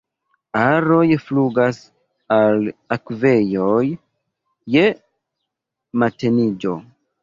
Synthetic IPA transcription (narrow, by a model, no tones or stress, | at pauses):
aɾo̞jfluɡas | alakve̞jo̞j | je̞ | matenid͡ʒo̞̰